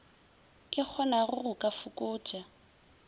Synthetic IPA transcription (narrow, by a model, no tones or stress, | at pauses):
kʼɪk͡xʰɔnaɣʊrʊkʼafʊkʼʊ̥ːd͡ʒ̥a